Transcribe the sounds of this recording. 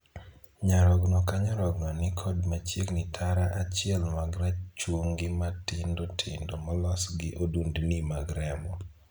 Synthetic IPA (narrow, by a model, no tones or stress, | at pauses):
ɲaɾɔɡnɔkaɲɔɾɔɡnɔnɪkʰɔdmat͡ʃjeknɪtʰaɾaʔat͡ʃɪɛlmaɡɾat͡ʃwoŋɡɪmatɪndotʰɪndomalɔsɡɪʔodundnimaɡɾɛmɔ